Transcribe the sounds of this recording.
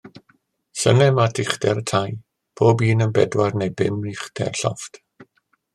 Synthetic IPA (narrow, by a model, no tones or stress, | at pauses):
sənɛmatʰɪχdɛɾətʰaj | b̥oːbiːnənbɛdwarnejbɪmɪχd̥ʰɛ̰rɬɔ̰ft